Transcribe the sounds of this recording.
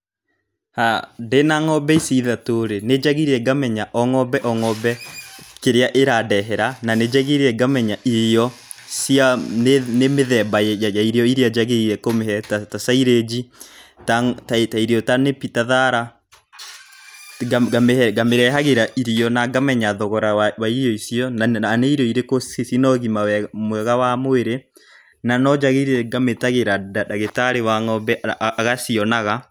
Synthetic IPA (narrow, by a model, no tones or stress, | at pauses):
hadenaŋɔbɛisiːðatoɾened͡ʒaɣiɾeɛɡamɛɲaʔɔŋɔbɛʔɔŋɔbɛkeɾeaʔeɾadɛɦɛɾananed͡ʒaɣeɾeɛɡamɛɲaʔiɾiɔ | siannemeðɛbajjajaiɾeɔiɾead͡ʒaɣeiɾɛkomehɛtatasaiɾed͡ʒitatataiɾeɔtanepitaðaɾa | ɡaɡameɛɡameɾɛɦaɣeɾaʔiɾijɔnaɡamɛɲaðɔɣɔɾawawaiɾjɔisiɔnaaneiɾɔiɾekoisinɔɣimawɛmwɛɣawamoeɾe | nanɔd͡ʒaɣeiɾɛɡametaɣeɾadadaɣetaɾewaŋɔbɛʔaɣasiɔnaɣa